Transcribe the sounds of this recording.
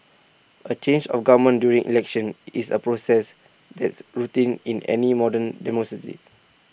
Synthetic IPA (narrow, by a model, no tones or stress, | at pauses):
ʔət͡ʃẽnd͡ʒɔ̰fɡavəmə̃ndjuɹĩŋʔḭlɛkʃə̃nisə̰pɹosɛs | d̪ɛtsɹutĩnĩnɛ̰nimɔdə̃ndɛmɔkɹatḭ